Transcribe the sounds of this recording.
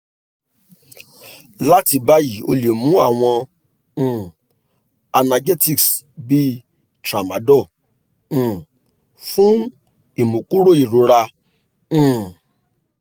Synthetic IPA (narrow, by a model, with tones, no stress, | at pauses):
la˦ti˧ba˦ji˨o̰˧le˨mũ˨˦a˦˨w̃ɔ̃˧˨ | a˧na˧ɡe˦ti˦˨ks | bi˦ | tɾa˨ma˨˦dɔ̃˦˨ | fũ˦ | i˨mũ˨ku˦ɾo˦˨i˨ɾo˨˦ɾã˧˨